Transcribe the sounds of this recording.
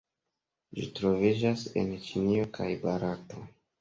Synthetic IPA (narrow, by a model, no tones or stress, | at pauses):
d͡ʒitɾo̞vid͡ʒase̞̰nt͡ʃinio̞kʰajbaɾato̞